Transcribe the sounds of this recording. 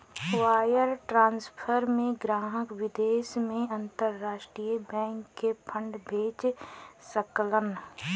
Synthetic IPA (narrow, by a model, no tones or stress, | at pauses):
waːjəɾʈɾãːnspʰəɾmẽɡɾaːɦəkwɪd̪eːʃmẽɐ̃nt̪əɾːaːʃʈɾijəbɛ̃ːŋkːepʰə̃ɳɖbʱeːt͡ʃsəklən